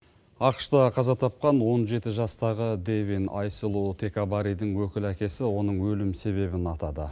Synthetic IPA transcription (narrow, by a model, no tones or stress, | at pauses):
ɑqə̥ʃt̪ɑqʰɑzɑt̪ʰɑp̚qɑnwo̞nʒe̞t̪ɪʒɑst̪ɑʁəd̪evinɑ̰jsəlˠot̪ʰe̞kabaɾijd̪ɪŋwɵkʲɪlækʲe̞sɪwo̞nəɴwɵlɪmse̞βe̞bɪnɑt̪ɑd̪ə̰